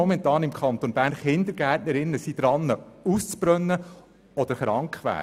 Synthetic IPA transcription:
ɔmɛnt̪ɑːnɪmkʰχɑnt̪onb̥æːɾnχɪnd̪əɾɡ̥æːtnəɾɪnːəsid̥̪ɾɑnːəust͡sb̥ɾœnːə | ɔd̥̪əɾχɾɑŋkχʋæ̰ː

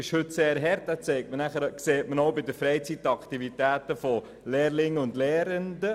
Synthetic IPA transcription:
ɪʃhɵtseːɾɦɛɾt̚d̥æt͡sɛɪk̚tmənæχəɾkseːtmənoʊbɪdəfɾɛɪt͡sitːɑkχtivitæːtəfɔ | leːrlɪŋəʊndlɛːɾəndə

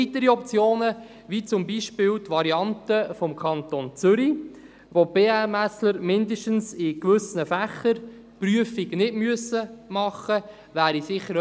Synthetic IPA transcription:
it̪əɾiɔp̚t͡sjoːnə | ʋit͡sʊmbiʃpɪlt̪ʋɑɾiɑntəfɔmkʰɑnt̪ont͡sʏɾi | ʋob̥eːæmæsləɾmɪndiʃtənsɪkʋʏsnəfæχːəɾ | pryəfiɡnɪdmyəsəmɑχə | ʋæːɾisɪχːəɾ

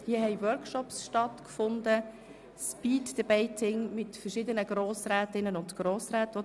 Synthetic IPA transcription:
hiəɦɛɪwœɾkʃɔpsʃtɑtkfʊndə | spiːdd̥əbɛɪtʰɪŋmɪtfəʃɪdənəɡɾoːsɾæːtɪnənʊntɡ̥ɾoːsɾæːtʋo

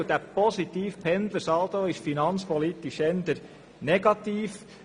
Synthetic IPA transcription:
d̥̪æpɔsit̪iːfpʰɛnd̪ləsɑltoːɪʃfinɑnspɔlit̪ɪʃɛnd̪əɾ | nɛɡ̥ɑt̪iːf

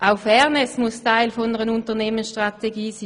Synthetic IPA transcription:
ʔaʊfɛʁnɛsmustaɪlfɔnəʁənʊntəneːmənsʃtʁateɡiːsi

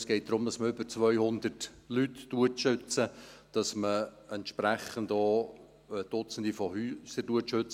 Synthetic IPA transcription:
sɡ̥ɛɪt̚d̪̥ɾʊmdɑsməʏbət͡svœʏhʊndərt | lytːuətʃʏt͡səd̥ɑsməɛntʃpɾæχəndoː | d̥ʊt͡sən̩d̥ifɔhyːsəduətʃøt͡sə

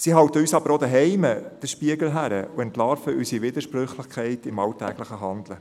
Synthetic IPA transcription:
siɦɑwtəyːsɑb̥əɾod̪əɦɛɪməd̥əʃpiəɡl̩ɦæɾə̰uɛntlɑːɾfəʔysiʋɪd̪əɾʃpɾʏχlɪχkʰɛɪtɪmɑltæːɡ̥ləχəɦɑnd̥̪lə

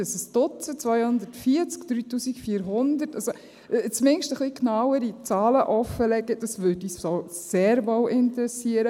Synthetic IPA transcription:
əsəsd̥ʊt͡sət͡sʋœjhʊnd̪ətfiːət͡skd̥ɾyːtuːsikfiːəɾɦʊndətɑso | t͡smɪŋʃtəχliknɑwəɾit͡sɑːləʔɔfəlɛɡədɑsʋødiːsso | seːɾvɔwʔɪntəɾɛsiːəɾə

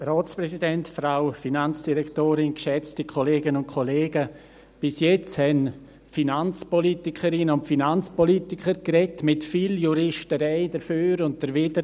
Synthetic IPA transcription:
rɔːt͡spɾɛsidɛntfɾaʊfinant͡sd̥iɾɛktoːɾɪnkʃɛt͡stikʰoleːɡənʊnt̚kʰoleːɡə | b̥ɪsjɛt͡shɛn | finant͡spɔlitikʰəɾɪnəʊntfinant͡spɔlitikʰəɾkɾɛtmɪtfiljuɾɪʃtəɾɛɪdəɾføːɾʊnt̚d̥əɾvɪdə

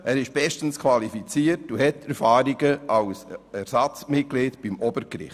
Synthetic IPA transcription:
ʔæːɾɪʃb̥ɛʃtən̩skʰvɑlifit͡siəɾtuhɛtʰɛɾfɑːɾiɡəɑwsɛɾsɑt͡smɪt̚ɡ̥leːtb̥ɪmɔbəɾkɾɪ̰χt

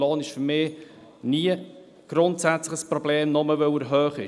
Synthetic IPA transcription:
loːnɪʃfʏɾmɪː | niə | ɡ̥ɾʊntsæt͡slɪχəspɾɔb̥leːmnɔməvœwəɾɦøːχɪ

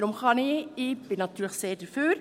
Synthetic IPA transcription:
ɾʊmχɑnɪɪb̥ɪnɑtːyːləχseːɾd̥əfyːɾ

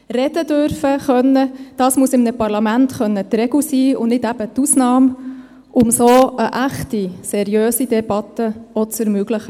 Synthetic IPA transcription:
rɛdədøɾfəχœnːəd̥ɑːsmusɪmnəpɑɾlɑmæntχœnːət̪ɾɛɡ̥usiːʊ̰nnɪdæb̥ət̪usnɑːm | ʔʊmsoːʔəʔæχtisɛɾiøːsidɛbɑt̪əɔt͡səɾmøɡləχə

